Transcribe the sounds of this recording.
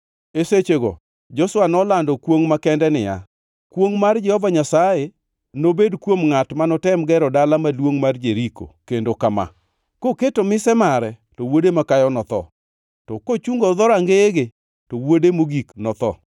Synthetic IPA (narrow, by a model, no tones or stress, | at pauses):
eset͡ʃeɡɔ̰ | d͡ʒɔswanɔlandɔkwoŋmakɛndɛnɪja̰ | kwoŋmard͡ʒɛhɔvaɲasaje | nobedkwomŋatmanɔtɛmɡɛɾɔdalamalwoŋmard͡ʒeɾiko̰kendokama̰ | koketomɪsɛmaɾɛtɔwodemakajɔnɔt̪ɔ̰ | tɔkot͡ʃuŋɡoðɔɾaŋɡeeɡe | tɔwodemoɡiknɔt̪ɔ̰